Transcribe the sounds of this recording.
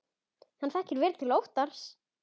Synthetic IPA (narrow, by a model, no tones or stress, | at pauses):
hanθɛhcɪɾvɛːɾt̪ʰɪlowht̪aɾ̥s